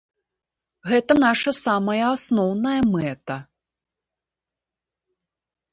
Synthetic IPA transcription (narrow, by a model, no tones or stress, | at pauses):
ɣɛt̪ɐn̪aʂɐsamɐjɐasnɔwnɐjɐmɛt̪ɐ